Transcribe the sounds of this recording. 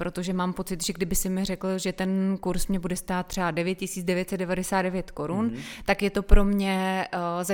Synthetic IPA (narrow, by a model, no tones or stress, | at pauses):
pɾo̞t̪oʒɛmaːmpo̞t͡sɪt̪ʒɛɡdɪbɪsɪmɪr̝ɛkl̩ʒɛt̪ɛnkuɾsmɲɛbudɛst̪aːt̪̚ːr̥ɛadɛvjɛt̪̚cɪsiːt͡sdɛvjɛt̪sɛt̪dɛvadɛsaːd̪dɛvjɛt̪ko̞ɾunt̪akjɛt̪o̞pɾo̞mɲɛza